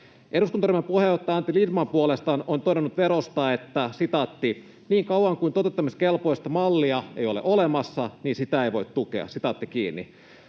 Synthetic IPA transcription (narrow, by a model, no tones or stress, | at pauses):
ʔeduskunt̪ɑrimempuheot̪ːɑɑnt̪ːilidmɑmpuolest̪ɑːnont̪oɾenːut̪ʋeɾost̪ɑet̪ːæsit̪ɑt̪ːi | niːŋkɑuwɑŋkuint̪ot̪et̪ːɑmiskelpojst̪ɑmɑlːiɑeijolḛʔolemɑsːɑniːnsit̪æeiʋo̞it̪t̪ukḛɑ̰sit̪ɑt̪ːikiːnːḭ